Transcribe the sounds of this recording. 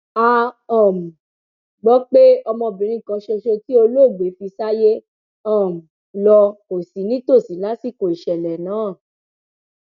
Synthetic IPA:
a˧˦ɔ̃˨mũ˨ | ɡ͡bɔ˨˦k͡pe˦ɔ˧mɔ̃˧bĩ˨ɾ̃ĩ˦˨kã˨˧˦ʃe˧ʃo˧ti˦o˧lo˦˨ɡ͡be˨˦fi˧sa˦je˦ | ɔ̃˦˨m̩˨ | lɔ˧ko˨si˨˦nĩ˦to˦˨si˨˦la˨˦si˦˨ko˨i˨ʃɛ˨lɛ˨nãː˨˦˨

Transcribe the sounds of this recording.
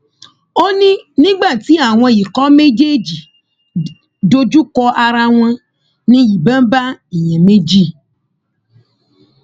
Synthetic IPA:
o˦nĩ˦nĩ˦ɡ͡ba˦˨t̪i˦a˨w̃ɔ̃˧ji˨kɔ˦me˦d͡ʒe˦d͡ʒi˨ | do˦d͡ʒu˦kɔ˦ʔa˨ɾa˦w̃ã˦ | nĩ˦ji˨bɛ̃˦m˦ba˦e˨ɲɛ̃˨mẽ˦d͡ʒi˦˨

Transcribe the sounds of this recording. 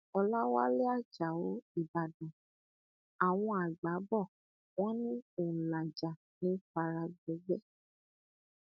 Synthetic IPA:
ɔ˧la˦wa˦le˦a˦˨d͡ʒa˨o˨˦i˦˨ba˨dɔ̃˨ | a˨w̃ɔ̃˧a˨ɡ͡ba˨˦bɔ˦˨ | w̃ɔ̃˦nĩ˦o˨la˨d͡ʒa˨ | nĩ˨˦fa˧ɾa˧ɡ͡bo˨˦ɡ͡bɛ˦

